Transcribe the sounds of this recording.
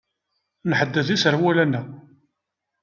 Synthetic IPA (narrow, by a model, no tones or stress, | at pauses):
nħəd̪ːəθisəɾwælænːæ